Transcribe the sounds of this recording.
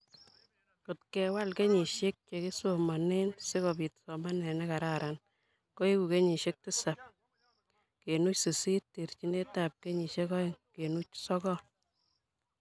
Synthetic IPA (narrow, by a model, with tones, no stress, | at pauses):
ko˨t̚kɛ˨wa˦lke˦ɲi˨ʃe˦k̚t͡ʃe˨ki˦so˨ma˨ne˦nse˦kɔ˨bi˨tsɔ˨ma˦nɛ˨nɛka˨ɾa˨ɾan | ko˦e˦ku˨ke˦ɲi˨ʃe˦k̚ti˦sa˨p̚ | ke˨nu˦t͡ʃse˨si˦tti˨ɾt͡ʃi˦ne˦ta˨p̚ke˦ɲi˨ʃe˦kɔ˦e˨ŋke˨nu˦t͡ʃsɔ˦kɔ˦